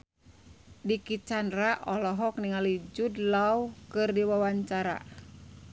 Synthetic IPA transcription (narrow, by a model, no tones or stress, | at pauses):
dikit͡ʃanraʔɔlɔɦɔk̚niŋalid͡ʒudlaukɨrdiwawaɲt͡ʃaɾa̰